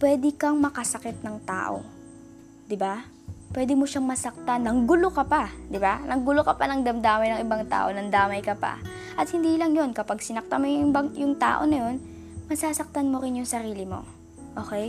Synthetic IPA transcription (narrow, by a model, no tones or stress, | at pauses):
pwɛːd̪ɪkɐŋmɐkɐsɐkɪt̪̚nɐŋt̪a̰ːʔo̞̰ | d̪ɪba | pwɛːd̪ɪmoʃaŋmɐsɐk̚t̪anːɐŋɡʊlokɐpad̪ɪbanɐŋɡʊlokɐpanɐŋd̪ɐmd̪aːmɐjnɐŋʔɪbaŋt̪a̰ːʔo̞nɐnd̪aːmɐjkɐpa̰ | ʔɐt̪̚hɪnd̪iːlɐŋjo̞nkɐpaɡsɪnɐk̚t̪amojʊŋbɐŋjʊŋt̪a̰ːʔo̞̰nɐjo̞n | mɐsaːsɐk̚t̪ɐnmoɾɪnjʊŋsɐɾiːlɪmo̞̰ | ʔo̞ːkɛj